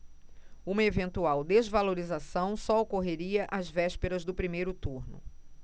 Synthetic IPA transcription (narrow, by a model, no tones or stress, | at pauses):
ũmɐevẽnt̪uawd̪ezvaloɾizasɐ̃w̃sɔokoɦeɾiɐʔazvɛʃpeɾɐzd̪ʊpɾimejɾʊt̪uɾnʊ̰